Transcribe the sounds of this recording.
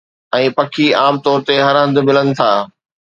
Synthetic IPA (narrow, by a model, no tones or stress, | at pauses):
ɛ̃ːpɐkʰiaːmt̪ɔːɾt̪eɦɐɾɦɐ̃nd̪̆mɪlənɪ̆t̪ʰaː